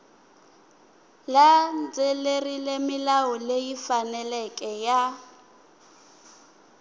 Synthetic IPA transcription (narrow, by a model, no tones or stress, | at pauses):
land͡zelerilemɪlaɔlejifanɛlɛkʼɛja